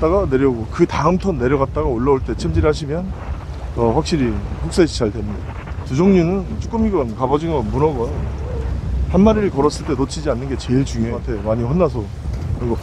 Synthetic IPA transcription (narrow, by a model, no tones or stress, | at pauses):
t͈aɡane̞ɾjʌɡokɯtaɯmtʰʌnːe̞ɾjʌɣat̚t͈aɡaoɭːaoɭt͈e̞t͡ɕʰemd͡ʑiɾhaɕʰimjʌn | ʌɸwak̚ɕ͈iɾihuk̚s͈eɕʰi̥t͡ɕaɭdwenni | tud͡ʑoŋɲunɯnt͡ɕ͈ʰok͈ɯmiɡʌnkabʌd͡ʑiŋʌnmunʌɡʌn | hanmaɾiɭkʌɾʌs͈ɯɭt͈e̞not͡ɕʰid͡ʑianːɯnɡe̞t͡ɕe̞ɭt͡ɕuŋjotʰe̞maɲiɸwʌnːas̬ʰʌ | nɯnɡʌ